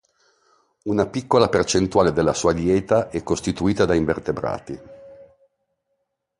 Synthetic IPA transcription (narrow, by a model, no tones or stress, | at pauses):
unapikːolapert͡ʃent̪uaːled̪elːasuːad̪jɛːt̪aʔɛkːost̪it̪uiːt̪ad̪aiɱvert̪ebɾa̰ːt̪i